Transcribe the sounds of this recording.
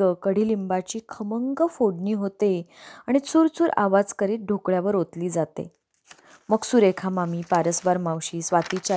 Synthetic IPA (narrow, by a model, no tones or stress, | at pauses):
əkəɽ̤iːlimbat͡ɕiːkʰəməŋɡəfoɽɳiːɦot̪eaɽ̃it͡suːɾt͡suːɾa̰ʋad͡zkəɾiːt̪̚ɖʱokɭjaʋəɾot̪liːd͡zat̪ḛ | məɡsuɾekʰamamiːpaɾəsbaɾmawɕiːsʋat̪it͡ɕa